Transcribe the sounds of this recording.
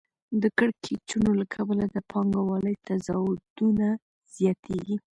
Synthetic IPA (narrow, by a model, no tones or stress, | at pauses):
d̪əkəɽkʰet͡ʃunolakʰabəlad̪əpʰɑŋɡawɑləjt̪azɑwd̪̥una | z̥jɑt̪ʰeɡi